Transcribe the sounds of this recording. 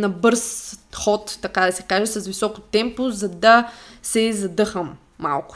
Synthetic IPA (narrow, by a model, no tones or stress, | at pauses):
nɐbɤɾsxɔt̪ːɐkad̪ɐsɛkaʒɛsɐsvisɔko̥t̪ɛmpozɐd̪ɐsɛzɐd̪ɤxəmː | a̰lˠkʊ̥